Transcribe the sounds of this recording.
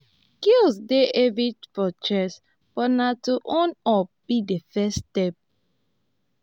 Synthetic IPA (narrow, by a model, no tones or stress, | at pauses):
kilsdeʔevit͡ʃfɔt͡ʃɛs | b̥ɔnatuʔɔ̃nɔb̥idefɛstɛp̚